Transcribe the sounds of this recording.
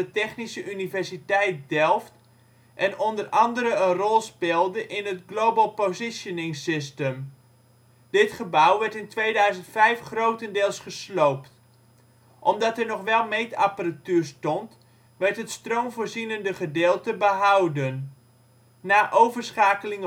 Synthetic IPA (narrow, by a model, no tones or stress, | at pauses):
ətɛχnisəʔynivɛɹsitɛjt̚dɛlˠft | ʔɛnɔndərɑndəɾəənrɔlˠspɪlˠdəʔɪnɦətɡlowbəlˠpozɪsjənɪŋsɪstəm | dɪtχəbawʋɛɹtɪntʋejdœɥzəntfɛjfχrowtəndɪːlˠsχəslowpt | ʔɔmdɑtɛɹnɔχʋɛlˠmejtapəratyːɹstɔnt | ʋɛɹtɦətstrowmvoːɹzinəndəχədɪːlˠtəbəɦʌwdənː | aːʔowvərsχaːkəlɪŋ